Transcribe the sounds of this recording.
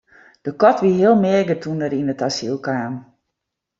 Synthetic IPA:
d̥əkɔtʋiɦɪəlˠmɪɡətʰundəɾinətasilˠkaːm

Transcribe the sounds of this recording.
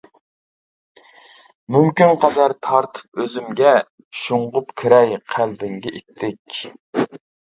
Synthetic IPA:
mymkʲynqɑd̪ɑɾt̪ʰɑɾt̪ʰɨ̥p̚øzymɡʲɛ | ʃuɴʁʊpkʲʰiɾɛjqʰælbɪŋɡʲɛʔit̪ʰːɪkʲ

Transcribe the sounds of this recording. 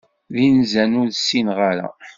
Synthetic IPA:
ðinzænʊɾsːinʁaɾæ̰

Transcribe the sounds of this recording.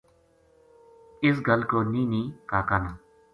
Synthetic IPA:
ɪs̬ɡəlkoːniːnĩːkaːkana

